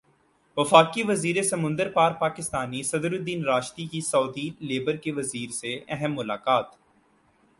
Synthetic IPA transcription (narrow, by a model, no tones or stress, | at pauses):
ʋəfaːkiʋəziːɾesɐmʊ̃nd̪əɾpaːɾpaːkɪst̪aːnisɐd̪ɾʊd̪iːnɾaːʃt̪ikisɔːd̪ileːbəɾkeʋɐziːɾseɛɦəmːʊlaːkaːt̪